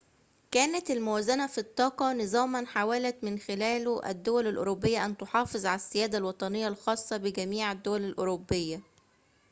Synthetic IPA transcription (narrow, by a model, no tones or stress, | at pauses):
kæːnæt̪ælmʊwæːzænæfit̪ˤːɑːqɑnɨzˤɑːmɑnħawælæt̪mɪnxɪlæːlʔæ̰d̪ːowælælʔo̰ɾobːejːæʔænt̪oħɑːfezˤʕalæsːɪjæːd̪ælwɑt̪ˤɑnejːɑlxɑːsˤːɑbɪɡæmiːʕæd̪ːowælælʔoɾobːejːæ